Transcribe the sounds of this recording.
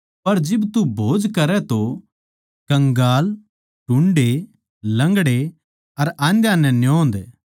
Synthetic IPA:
pɐɾd͡ʒɪbt̪ubʱoːd͡ʒkɐɾɛt̪o | kɐ̃ŋɡaːl | ʈʊ̃ɳɖe | lɐ̃ŋɡɽe | ɐɾãːnd̪jãnɛ̃njõːnd̪eː

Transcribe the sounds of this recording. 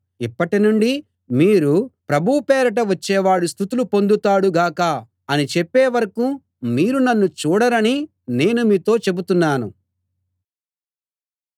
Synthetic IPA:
ipːɐʈinuɳɖi | miːɾupɾɐbʱupɛːɾɐʈ̬ɐʋɐt͡ʃːɛːʋaːɽust̪ʰut̪ulupo̞nd̪ut̪aːɽuɡaːkɐ | ɐnit͡ʃepːeːʋɐɾɐku | miːɾunɐnːut͡ʃuːɽɐɾɐni | ne̞ːnumiːt̪o̞ːt͡ʃe̞but̪unːaːnṵ

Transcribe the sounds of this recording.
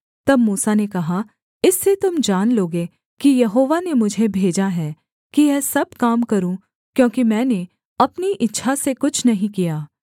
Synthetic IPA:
t̪ɐbmuːsanekɐɦa | ɪsːet̪ʊmd͡ʒaːnloːɡe | kijɐɦoːʋanemʊd͡ʒʱebʱeːd͡ʒaɦɛː | kijɛːsɐb̚kaːmkɐɾũ | kjõːkimɛ̃ːne | ɐpniʔɪtːʃʰasekʊt͡ʃʰnɐɦĩkijaː

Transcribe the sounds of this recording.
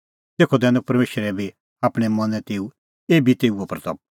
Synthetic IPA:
t̪eːkʰɔd̪ɛːnũpɐɾmeːʃɾɛbi | aːpɽ̃ɛmɐ̃nɛ̃t̪eːu | eːbʱit̪eːuapɾt̪ɐb̚

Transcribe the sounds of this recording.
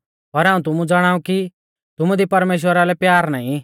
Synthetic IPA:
pɐɾɦaːũt̪̬ʊmũd͡zɐɽ̃aːuki | t̪ʊmũd̪ipɐɾmeːʃ̬wəɾalɛpjaːɾnaːĩ

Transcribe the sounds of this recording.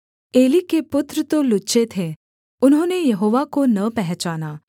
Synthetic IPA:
elikepʊt̪ɾət̪olʊɕet̪ʰe | ʊnɦonejəɦoʋakonəpɛɦɛt͡ɕaːna

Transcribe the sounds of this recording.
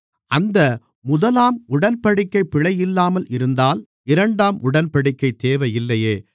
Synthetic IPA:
ʔɐnd̪ɐ | mʊðɐlaːmʊɽɐnpɐɽɪkːɐɪpːɪɭɐjɪlːaːmɐlʔɪɾɯnd̪aːl | ɪɾɐɳɖaːmʊɽɐnpɐɽɪkːɐɪt̪eːʋɐjɪlːɐjeː

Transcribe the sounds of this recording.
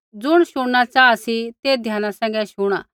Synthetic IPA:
d͡zʊɽ̃ʃʊɽːat͡ʃaːasit̪eːd̪ʱjaːnasɛ̃ːŋɡɛʃʊɽ̃a̰ː

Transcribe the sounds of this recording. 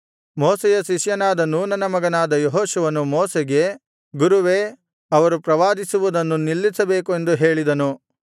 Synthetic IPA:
moːsɛjɐʃiʃjɐnaːd̪ɐnunɐnɐmɐɡɐnaːd̪ɐjoɦoːʃuʋɐnumoːseɡe̞ | ɡuɾuʋe̞ː | ɐʋɐɾupɾɐʋaːd̪isuʋud̪ɐnːunilːisɐbe̞ːkue̞nd̪uɦe̞ːɭid̪ɐnu

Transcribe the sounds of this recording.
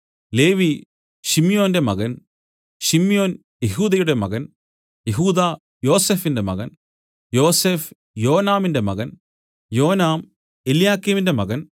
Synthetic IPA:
le̞ːʋi | ɕimjo̞ːnde̞mɐɣɐn | ɕimjo̞ːn | jeɦuːðɐjuɽe̞mɐɣɐn | jeɦuːðaː | jo̞ːse̞ːfinde̞mɐ̰ɣɐn | jo̞ːse̞ːf | jo̞ːnaːminde̞mɐ̰ɣɐn | jo̞ːnaːm | elijaːkːiːminde̞mɐɣɐn

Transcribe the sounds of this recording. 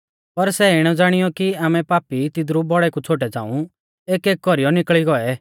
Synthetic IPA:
pɐɾsɛɪɽ̃ɔd͡zaːɽ̃ɪjɔkiaːmɛpaːpit̪ɪd̪ɾubɔɽɛkut͡sʰoːʈ̬ɛd͡za̰ːũ | eːkeːk̚ːɡɔɾijɔnɪkɭiɡɔɛ

